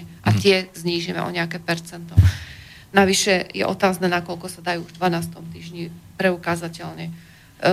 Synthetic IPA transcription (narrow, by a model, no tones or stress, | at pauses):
ɛʔat̪ɪɛzɲiːʒimɛ̰ʔɔ̰ɲɛakɛːpɛɾt͡sɛnt̪ɔ | naʋiʃɛjɛ̰ʔɔt̪aːznɛːnakɔlkɔsad̪ajuːuʒvd̪ʋanaːst̪ɔmt̪iːʒɲipɾɛukazacɛʎɲɛ